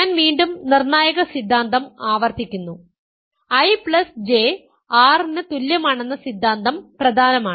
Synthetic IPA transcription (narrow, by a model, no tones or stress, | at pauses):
aːnʋiːɳɖumnirnaːjɐɣɐsid̪ʱːaːnd̪ɐmaːʋɐrt̪ikʲːunːu | ɐjpɭɐsd͡ʑe | aːrinːɨt̪uljɐmaːɳe̞nːɐsid̪ʱːaːnd̪ɐmprɐd̪ʱaːnɐmaːɳɨ